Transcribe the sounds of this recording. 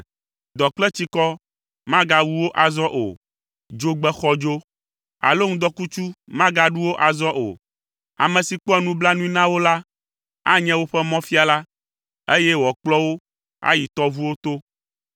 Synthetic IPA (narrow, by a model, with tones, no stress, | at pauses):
d̪ɔ˨k͡plɛ˦t͡ɕi˦kɔ˦ | mã˦ɡa˨wu˦wo˦ʔa˨zɔ˦ʔo̰˨ | d͡ʒo˦ɡ͡bɛ˦xɔ˦d͡ʒo˦ | a̰˨lo˦ŋ̩̃˦d̪ɔ˦ku˦t͡ʃu˦mã˦ɡa˦ɖu˦wo˦ʔa˨zɔ˦ʔo̰˨ | a̰˨mɛ̃˨si˨k͡pɔ˦ɛ˦˨nũ˦bla˦nũ˦i˦nã˦wo˦la˦ | a̰˦ɲɛ̃˦wo˦ɸɛ˦mɔ̃˦fi˦a˨la˦ | e˦jɛ˦wɔ˨k͡plɔ˦wo˦ | a̰˦ji˨t̪ɔ˦vu˦wo˦t̪o˦